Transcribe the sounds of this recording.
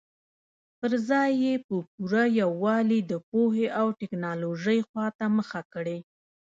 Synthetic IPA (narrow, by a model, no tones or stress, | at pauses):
pəɾzɑjːepəpuɾajawːɑlid̪əpoheʔawʈɪknɑloʒəjxwɑt̪aməxakəɽe